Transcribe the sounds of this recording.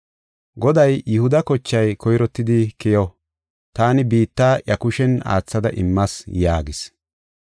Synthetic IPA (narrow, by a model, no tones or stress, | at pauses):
ɡɔd̪ɐjjʊhʊd̪ɐkɔt͡ʃːɐjkʰɔjɾɔt̪ːɪd̪ɪkɪjɔ | t̪aːnɪbiːt̪ːaːʔjɐkʊʃɛna̰ːt͡sːɐd̪ɐ̰ʔɪ̰mːɐsjaːɡɪs